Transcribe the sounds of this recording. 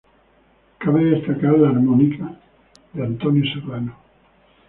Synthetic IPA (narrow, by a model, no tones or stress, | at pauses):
kaβeðest̪akaɾlaːɾmɔnika | ðeant̪onjoserano